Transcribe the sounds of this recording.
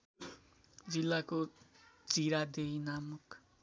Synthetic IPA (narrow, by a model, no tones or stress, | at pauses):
d͡zilːakot͡siɾad̪ejnamuk